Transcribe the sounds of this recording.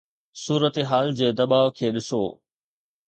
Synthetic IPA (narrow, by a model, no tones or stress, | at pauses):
suːɾət̪eɦaːld͡ʑeːd̪ɐɓaːʋkʰeːɗɪso̰ː